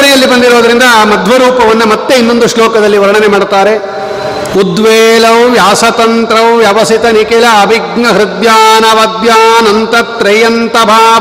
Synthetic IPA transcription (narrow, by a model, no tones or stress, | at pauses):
ɐɾijɐlːibɐnd̪iɾoːd̪ɐɾind̪ɐmɐd̪ʱʋɐɾuːpɐʋɐnːɐmɐt̪ːe̞inːo̞nd̪uʂloːkɐd̪ɐlːiʋɐɾɐɳɐnemaːɽt̪aːɾe | ud̪ʋɛːlɐʋʋjaːsɐt̪ɐnt̪ɾɐʋʋjaʋɐsit̪ɐnikelɐːbʱiɡnɐɦɾɪd̪jaːnɐʋɐd̪jaːnɐnt̪ɐt̪ɾɐjɐnt̪ɐbʱaː